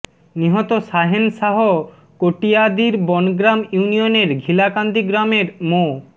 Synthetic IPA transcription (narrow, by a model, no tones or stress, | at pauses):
niɦɔt̪oʃaɦenʃaɦo | koʈijad̪iɾbɔnɡɾamjunioneɾɡʱilakand̪iɡɾameɾmo